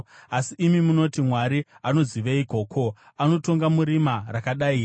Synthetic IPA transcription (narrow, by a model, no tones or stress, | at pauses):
asiʔːmimuno̞timwaɾiano̞ziʋeiko̞ːkʰo̞ | ano̞to̞ŋɡamuɾimarakaɗai